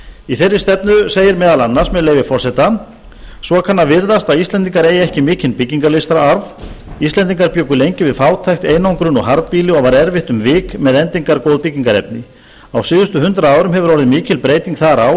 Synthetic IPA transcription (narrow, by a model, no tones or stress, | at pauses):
iθɛrːɪ̥st̪ɛpnʏseːjɪɾmɛːðalanːaɾ̥smɛðleːjvɪfɔr̥sɛt̪a | svɔkʰanːavɪɾðast̪aðist̪lɛnt̪iŋkaɾeːjɛhcɪmɪːcɪnpɪcːiŋkaɾlejst̪ɾaaɾvist̪lɛnt̪̬iŋkaɾpjœːkʏlejɲcɪvɪðfaːwt̪ʰajxt̪eːjnawŋkɾʏnɔ̰ɣɦaɾt̪piːlɪɔvaɾɛɾvɪht̪ʏmvɪːkmɛðɛnt̪iŋkaɾkowðpɪciŋkaɾɛ̰p̚nɪ | awsɪːðʏst̪ʏhʏnt̪ɾaaːwɾʏmɦɛvʏɾɔɾɪðmɪːcɪlpɾeːjt̪iŋkθaɾaw